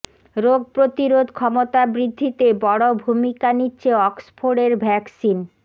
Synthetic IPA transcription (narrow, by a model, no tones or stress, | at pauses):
ɾoɡ̚pɾot̪iɾod̪ʱkʰɔmot̪abɾid̪ʱːit̪ebɔɽobʱumikanitːɕʰeɔksfʰoɽeɾbʱɛksin